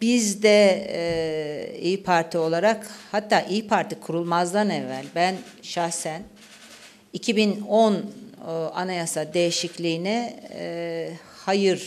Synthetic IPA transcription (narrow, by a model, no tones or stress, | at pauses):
bizd̪ɛ | ijpʰaɾt̪ʰio̞lˠaɾakhat̪ʰːaːʔijpʰaɾt̪ʰikʰuɾulˠmazd̪anɛvːælʲbænʃahsæn | icʰibinon | a̰najasad̪ejiʃiclʲiːnɛ | hajɯɾ̥